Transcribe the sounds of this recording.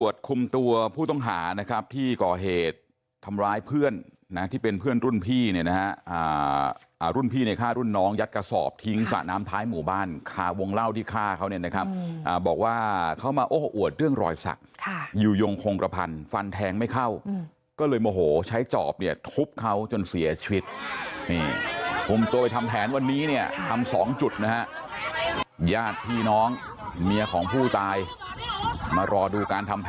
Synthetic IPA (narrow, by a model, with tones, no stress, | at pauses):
u˨˩ət̪̚kʰu˧mt̪u˧ɐpʰuː˥˩t̪ɔ˥˩ŋɦaː˩˦na˦˥kʰɾa˦˥p̚t̪ʰiː˥˩kɔː˨˩ɦeː˨˩t̪̚ʰː | a˧mɾaː˦˥jpʰɯ˥˩ənː | a˦˥t̪ʰiː˥˩pe˧npʰɯ˥˩ənɾu˥˩npʰiː˥˩ni˥˩na˦ha˦˥ʔaː˨˩ | ʔaː˨ɾu˥˩npʰiː˥˩ni˥˩kʰaː˥˩ɾu˥˩nːɔː˦˥ŋja˦˥t̪̚ka˧sɔ̰ː˨˩p̚t̪ʰi˦˥ŋsa̰˨˩naː˦˥mt̪ʰaː˦˥jmuː˨˩˦baː˥˩nkʰaː˧˩wo˧ŋla˥˩wt̪ʰiː˥˩kʰaː˥˩kʰa˦˥wni˥˩əna˦˥kʰa˦˥p̚ʔaː˨˩bɔː˨˩k̚waː˥˩kʰa˦˥wmaː˧ʔoː˧˥ho˧ʔu˨˩ət̪̚ɾɯ˥˩əŋɾɔ̰ː˧˩jsa̰˨˩k̚kʰa˥˩juː˨˩jo˧ŋkʰo˧ŋkɾʔa˧pʰa̰˧nfa˧nt̪ʰɛː˧ŋma˥˩jkʰa˥˩w | kɔː˥˩lɤː˧jmɔː˧˩ɦoː˩˦t͡ɕʰa˦˥jt͡ɕɔ̰ː˨˩p̚ni˥˩ɐt̪ʰu˦˥p̚kʰa˦˥wt͡ɕo˧nsi˨˩˦ɐt͡ɕʰi˧wi˦˥t̪̚niː˥˩pʰu˧˩mt̪u˧ɐpa˧jt̪ʰa˧mpʰɛː˨˩˦nwa˧nːiː˦˥ni˥˩ɐt̪ʰa˧msɔː˩˦ŋt͡ɕu˨˩t̪̚na˦˥ɦa˦˥ʔ | jaː˥˩t̪̚pʰiː˥˩nɔː˦˥ŋ | mi˧ɐkʰɔː˩˦ŋpʰuː˥˩t̪aː˧j | maː˧ɾɔː˧duː˧kaː˧nt̪ʰa˧mpʰ